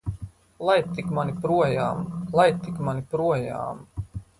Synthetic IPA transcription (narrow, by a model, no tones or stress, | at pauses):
lˠajt̪ikmanipɾuɔjaːmlˠajt̪ikmanipɾuɔja̰ːm